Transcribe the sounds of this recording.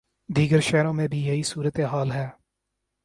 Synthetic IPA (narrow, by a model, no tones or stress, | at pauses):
d̪iːɡəɾʃɛːɾõːmẽbʱijɐɦisuːɾət̪eɦaːlɦɛː